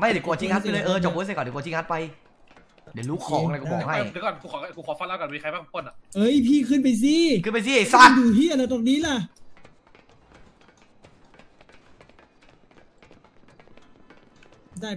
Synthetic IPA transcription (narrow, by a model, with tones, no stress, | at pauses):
ma˥˩˨ku˧˩ət̪ʰiː˧˩ŋha˦˥a˨lɤ˧˨ʔɤː˧t͡ɕɔ˨˩p̚ːsa˧˩kɔː˧˨˩kːtʰiː˧ŋha˦˥t̪̚pa˧j | di˨˦ɾuː˦˥kʰɔː˨˦ŋa˧˩kɔ˧˩bɔː˨˩kha˥˧˨kɔ˧˩kʰu˧kʰɔː˨˦˧kʰuː˧˩kɔː˨˦fa˧˩la˧˩kɔ˧˩miː˧a˧jbaː˧˩kːpʰu˧˩ənla˧˩ʔɤː˧˩ʔi˧˩pʰiː˧kʰɯː˧˨npa˨js̬i˧˩kɯː˧npa˨js̬i˧˨˧saa˧˩duː˨˩piː˧˥˩a˨la˧˩t̪ɔ˨˩k̚niː˦˥˨la˧˩ | daː˧˩